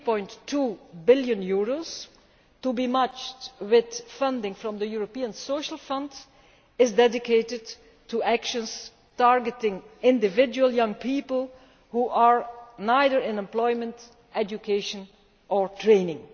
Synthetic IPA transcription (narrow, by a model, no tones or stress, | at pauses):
pɔ̃ɪ̃ntʰːuːbɪlˠjə̃njuɹos | tubimʌt͡ʃtwɪð̥fʌ̃ndɪ̃ŋfɹɔ̃md̪əjuɹopiə̃nsoʊʃəl̩ˠfʌ̃nd | ɪzdɛdɪkʰeɪtɪd | tʰːuækʃə̃ns | tɑɹɡətɪ̃ŋɪ̃ndɪvɪd͡ʒuwəlˠjʌ̃ŋpʰiːpəl̩ˠ | huʔəɹnaɪðəɹɪ̃nɛ̃mplɔɪmə̃nt | ɛd͡ʒukʰeɪʃə̃n | ɔɹtʰɹẽɪ̃nɪ̃ŋ